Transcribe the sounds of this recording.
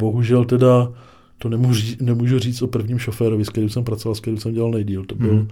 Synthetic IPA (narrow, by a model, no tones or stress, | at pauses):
boɦuʒɛlt̪ɛda | t̪onɛmuiːnɛmuːʒuriːt͡st̪ʔopr̩vɲiːmʃofɛːɾovɪsktɛɾiwsɛmpɾat͡sovalsktɛɾiwsɛmɟɛlalnɛjdiːlt̪obɪl